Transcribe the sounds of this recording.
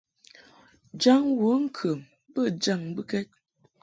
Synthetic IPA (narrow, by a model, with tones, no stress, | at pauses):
d͡ʒa˦ŋwə˨˦ŋ̩˦kʰə˨m | bə˦˨d͡ʒa˦˨ŋbə˦kɛ˦t̚